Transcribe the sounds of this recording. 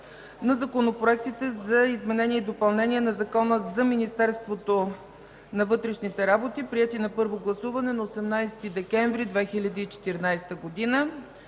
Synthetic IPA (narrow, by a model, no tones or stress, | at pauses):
nɐzɐkonopɾoɛk̚t̪it̪ɛzɐizmɛnɛnʲiɛid̪opɐlˠnɛnʲiɛnɐzɐkɔnəzɐminist̪ɛɾst̪vot̪o | nɐvɤt̪ɾɛʃnit̪ɛɾabot̪ipɾiɛt̪inɐpɤɾvoɡlˠɐsuvɐnɛnɐosɛmnajst̪id̪ɛkɛɱvɾid̪vɛxilʲɐd̪iːt͡ʃɛ̥t̪iɾinajst̪əɡod̪inə